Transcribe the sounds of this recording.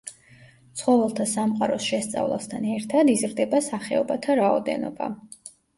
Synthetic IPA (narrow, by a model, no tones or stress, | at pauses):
t̪sʰχɔvɛlˠt̪ʰasamqʼaɾɔsʃɛst̪sʼa̰vlˠa̰st̪ʰanɛɾt̪ʰad̪izɾd̪ɛbasaχɛɔbat̪ʰaɾaɔd̪ɛ̰nɔ̰ba̰